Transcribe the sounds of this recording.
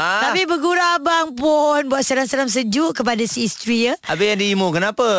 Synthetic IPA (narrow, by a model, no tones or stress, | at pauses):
at̪apibəɡuɾabaŋpʊnbuat̪̚səɾaŋsəɾams̬əd͡ʒuʔkəp̬adasiːst̪ɾiəʔabəjaŋdiimukənapə